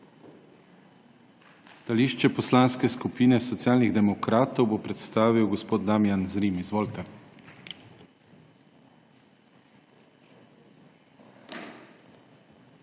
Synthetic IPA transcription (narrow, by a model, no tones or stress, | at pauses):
st̪aliːʃt͡ʃɛpɔslanskɛskupiːnɛsɔt̪sjaːlniɣd̪ɛmɔkɾaːt̪ɔwbopɾɛt̪st̪aːʋiwɡɔspoːd̪̚d̪amjanzɾiːmizʋoːlt̪ɛ